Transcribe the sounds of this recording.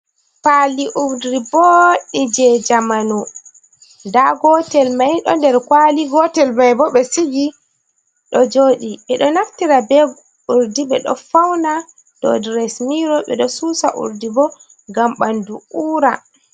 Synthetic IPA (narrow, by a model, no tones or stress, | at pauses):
paliʔuɾdɾiboɗid͡ʒɛd͡ʒamanu | ndaɡɔtɛlmajɗɔ̰ndɛɾkwaliɡɔtɛlmajbɔɓɛsiɡi | ɗɔd͡ʒoːɗiɓɛɗɔnaftiɾabɛɡ | uɾdiɓɛɗɔ̰fawna | d̥ɔ̰dɾɛsmiɾɔɓɛɗɔsuːsa̰ʔṵɾdibɔ | ɡamɓanduuːɾa